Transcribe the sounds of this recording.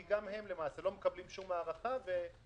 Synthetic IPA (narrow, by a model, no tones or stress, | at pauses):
iɡamhe̞mlemaːselo̞mekablimʃumaːʁaχave̞